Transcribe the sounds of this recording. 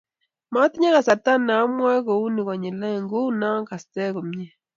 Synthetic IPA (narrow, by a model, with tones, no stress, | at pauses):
ma˦ti˦ɲa˦ka˨sa˨ta˦na˨˦mwa˦ko˨u˦ni˨kɔ˨ɲi˨lɛ˦˨ŋɡo˦na˦ŋka˨stɛ˦ku˨mɲe˦